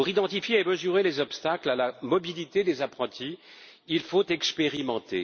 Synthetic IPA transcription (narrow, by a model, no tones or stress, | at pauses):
uʁid̪ɑ̃t̪ifjeeməzyʁelezɔpst̪aklalamɔbilit̪ed̪ezapχɑ̃t̪ʰiː | lfot̪ɛkspeʁimɑ̃t̪ḛ